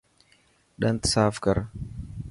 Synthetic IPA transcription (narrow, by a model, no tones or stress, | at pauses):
ɗɐnt̪saːfkaɾ